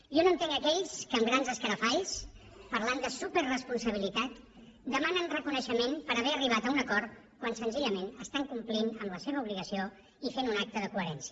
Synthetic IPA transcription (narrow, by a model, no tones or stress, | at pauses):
ʒɔnoənt̪eŋɡəkɛʎskəːmɡɾanzəskəɾəfaʎs | pəɾland̪əsupərrəspunsəβ̞ilit̪at̪d̪əmanənrəkunəʃəmenpəɾəβɛəriβ̞at̪əunəkɔɾ | kwansənziʎəmenəst̪aŋkumplinəmləseβəuβliɣəsio | ifenunak̚t̪əðəkuəɾɛnsiə